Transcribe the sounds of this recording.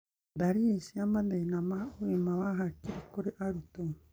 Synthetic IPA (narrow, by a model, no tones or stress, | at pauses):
daɾiesiamand̪ejnamaoemaβaɦakiɾekoɾeʔaɾut̪oj